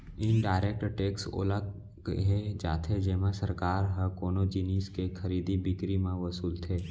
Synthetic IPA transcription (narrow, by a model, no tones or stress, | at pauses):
ɪnɖaːɪɾek̚ʈʈekso̰ːla | ɦed͡ʒa̰ːt̪ʰed͡ʒɛːmãsəɾkaːɾɦəkoːnod͡ʒiniskekʰəɾiːd̪ibɪkɾimãʋəsuːlt̪ʰeː